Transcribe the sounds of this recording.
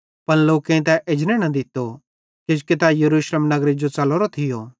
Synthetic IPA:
pɐnloːkẽt̪̬ɛʔɪd͡ʒnɛ̃nɐd̪ɪt̪ːo | kɪd͡ʒket̪ɛjɐɾuːʃleːmnɐɡɾed͡ʒot͡sɐloɾot̪ʰɪjoː

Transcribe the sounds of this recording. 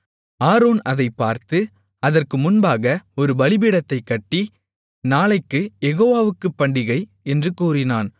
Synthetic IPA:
aːɾoːnɐðɐɪpːaːɾt̪ɯ | ɐðɐrkɯmʊnbaːɣɐɔɾɯbɐlɪbɪɽɐt̪ːɐɪkːɐʈːi | naːlɐɪkːɯjɛɣoːʋaːʋɯkːɯpːɐɳɖɪɣɐɪ | ɛndrɯkuːrɪnaːn

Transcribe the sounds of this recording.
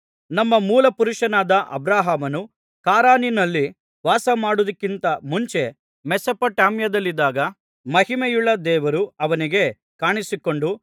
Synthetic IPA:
nɐmːɐmuːlɐpuɾuʂɐnaːd̪ɐʔɐ̰bɾaːɦaːmɐnu | kaːɾaːninɐlːi | ʋaːsɐmaːɽud̪ɐkːint̪ɐmuɲt͡ʃe̞ | mɛsɐpɐʈaːmjɐd̪ɐlːid̪ːaːɡɐ | mɐhimejuɭːɐd̪ɛːʋɐɾuɐʋɐniɡe̞ | kaːɳisiko̞ɳɖu

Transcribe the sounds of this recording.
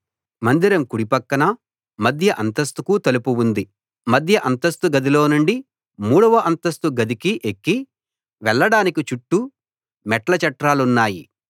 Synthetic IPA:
mɐnd̪iɾɐmkuɽipɐkːɐnɐ | mɐd̪ʱjɐʔɐnt̪ɐst̪ukut̪ɐlupuwund̪i | mɐd̪ʱjɐʔɐnt̪ɐst̪uɡɐd̪ilo̞ːnuɳɖi | muːɽɐʋɐʔɐnt̪ɐst̪uɡɐd̪ikiʔekːi | ʋɛɭːɐɽaːnikit͡ʃuʈːu | mɛʈlɐt͡ʃɐʈɾaːlunːaːji

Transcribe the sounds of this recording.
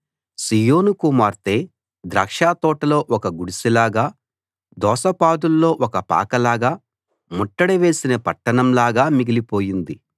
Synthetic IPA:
sijoːnukumaːɾt̪e̞ː | d̪ɾɐːkʂaːt̪ɔːʈɐlo̞ːʔɔkɐɡuɽisilaːɡaː | d̪ɔːsɐpaːd̪ulːo̞ːʔɔkɐpa̰ːkɐlaːɡaː | muʈːɐɽiʋe̞ːsinɐpɐʈːɐɳɐmlaːɡaːmiɡilipo̞ːjind̪i

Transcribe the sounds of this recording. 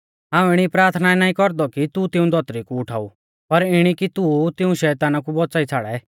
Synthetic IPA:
ɦãːũɪɽ̃ipɾaːɾt̪ʰnaɛnaːĩkɔɾd̪ɔkit̪ut̪ɪũd̪ʱɔt̪ɾikuʊʈʰa̰ːu | pɐɾɪɽ̃ikit̪ut̪ɪũʃɛːt̪aːnakubɔt͡saːit͡sʰaːɽɛ̰

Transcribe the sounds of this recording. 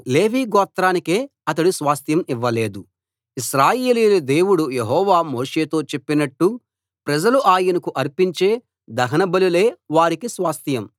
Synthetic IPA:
le̞ːʋiːɡɔːt̪ɾaːnike̞ː | ɐt̪ɐɽusʋaːst̪jɐmiʋːɐle̞ːd̪u | iʃɾaːjeːliːlud̪eːwuɽujeɦɔːʋaːmo̞ːʂe̞ːt̪o̞ːt͡ʃe̞pːinɐʈːu | pɾɐd͡ʒɐluʔaːjɐnɐkuʔɐɾpiɲt͡ʃe̞ː | d̪ɐɦɐnɐbɐlule̞ːʋaːɾikisʋaːst̪ʰjɐm

